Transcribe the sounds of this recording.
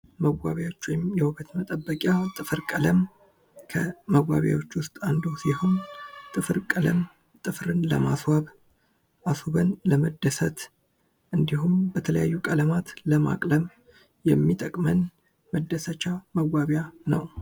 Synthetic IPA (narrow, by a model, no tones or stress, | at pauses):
məwʷa̰βjawot͡ʃːwɔjmjɛhuβət̪mət̪ʼəbːəkʼjat̪ʼɨfɨɾkʼələm | kʰəməwːa̰βja̰wo̞t͡ʃːwʊst̪ʼand̪osiho̞nt̪ʼɨfɨɾkʼələ̰m | t̪ʼɨfɾɨnləmaswaβ | ʔasoβənləməd̪ːəsət̪ | ʔɨnd̪iɦumbət̪ʰələjajːukʼələmat̪ləma̰kʼləm | jɛmːit̪ʼəkʼmən | məd̪ːəsət͡ʃːaməwːaβjanə̰w